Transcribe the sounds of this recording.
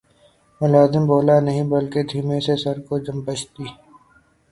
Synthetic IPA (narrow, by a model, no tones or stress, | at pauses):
mʊlaːzɪmboːlanɐɦĩbɐlked̪ʱiːmẽsesɐɾkod͡ʒɐmbət͡ʃʰt̪iː